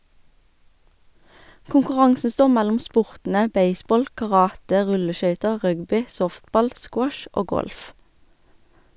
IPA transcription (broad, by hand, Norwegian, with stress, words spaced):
kʊŋkʊˈʁɑŋsn̩ ˈstoːʁ ˈmælʊm ˈspʊʁtn̩ə ˈbeɪˌsbɔl kɑˈʁɑːtə ˈʁʉləˌʃœʏtə ˈʁœɡbʏ ˈsɔftˌbɑl ˈskwɔʃ ˈʔoː ˈɡɔlf